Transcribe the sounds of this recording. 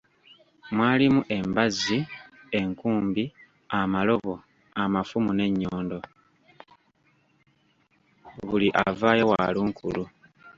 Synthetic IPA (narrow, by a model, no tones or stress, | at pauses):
mwaːlimuʔe̞mbazie̞ŋkuːmbi | amalo̞βo̞ | amafumune̞ɲːoːndo̞ | βuliʔa̰vaːjo̞waːluːŋkʰṵlu